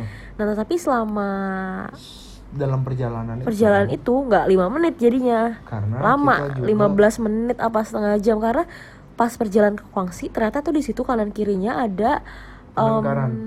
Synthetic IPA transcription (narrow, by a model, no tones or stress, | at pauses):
naht̪ət̪apisəlama | dalampərd͡ʒalananpərd͡ʒalananit̪uŋɡaʔlimamənɪt̪̚d͡ʒadiɲakaɾənalamalimabəlasmənɪt̪apasə̥t̪əŋahd͡ʒamkaɾəna | paspərd͡ʒalaankə̥koaŋsit̪ərɲat̪at̪udisit̪ukanankiɾiɲaʔada | ʔəman